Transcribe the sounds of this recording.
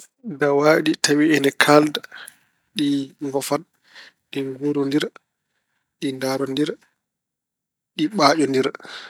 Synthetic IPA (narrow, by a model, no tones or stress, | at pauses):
dawaːɗitawiɛnɛkʰalda | ɗiŋɡɔfan | ɗiŋɡuɾɔndiɾ | ɗindaɾɔndiɾ | ɗiɓaːd͡ʒɔndiɾ